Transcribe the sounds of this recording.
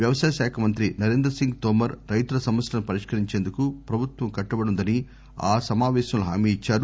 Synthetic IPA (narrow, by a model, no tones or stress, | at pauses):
ʋjɐʋɐsaːjɐʃaːkʰɐmɐnt̪ɾinɐɾe̞ːnd̪ɾɐsiŋɡt̪ɔːmɐɾːɐjt̪uɾɐsɐmʋɐsʈɐnupɐɾiʂkɐɾiɲt͡ʃeːnd̪ukupɾɐbʱut̪ʋɐmkɐʈːɐbɐɽund̪ɐni | aːsɐmaːʋɛːʃɐmluɦa̰ːmiːit͡ʃːaːɾu